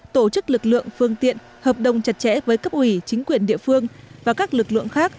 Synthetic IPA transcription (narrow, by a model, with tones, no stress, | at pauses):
t̪o˧˩t͡ɕɨ˦˥k̚lɨ˨˩k̚lɨ̰˧˨əŋfɨ˧əŋt̪ḭ˧˨ən | həː˨˩p̚ɗə˨˩wŋ͡mt͡ɕa˨˩t̚t͡ɕɛ̰˧˥vəː˨˦jkə˦˥p̚ʔwi˧˩t͡ɕï˨˦ŋ̟kwi˨˩ənɗḭ˧˨əfɨ˧əŋvaː˨˩kaː˦˥k̚lɨ˨˩k̚lɨ̰˧˨əŋxaː˦˥k̚